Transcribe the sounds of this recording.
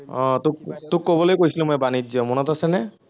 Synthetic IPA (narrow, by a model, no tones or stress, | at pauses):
ɔ̃t̪uk̚t̪ukːɔbɔlojkoɦisilemoɛbanid͡ʒɔmɔnɔt̪asenɛ